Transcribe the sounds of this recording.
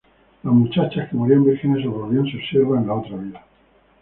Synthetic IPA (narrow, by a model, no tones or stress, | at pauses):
lazmut͡ʃat͡ʃahkemoɾiambiɾxenesoβoβiansoseɾβaenlao̞t̪ɾaβiða